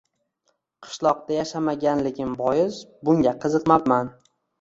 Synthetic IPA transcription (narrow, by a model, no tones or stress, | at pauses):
qʰɨ̥ʃlˠɒq̚d̪ajaʃamaɡʲanlɪɡʲɪmbɒjɪzbʊŋɡʲaqʰɨzɨqmapman